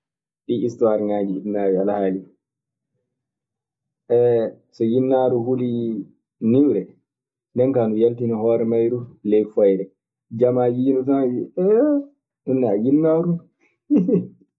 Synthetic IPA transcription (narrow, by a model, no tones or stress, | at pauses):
ɗiʔistuwaːɾiŋaːd͡ʒiḭnːaːwialahaːli | ʔɛ | sɔjinːaɾuhuli | niwɾɛ | ndɛŋkanujaltinɔhɔːɾɛmajɾulɛjfɔjɾɛ | d͡ʒamajiːnɔtanaiɛ | ɗunːɛajinːaɾu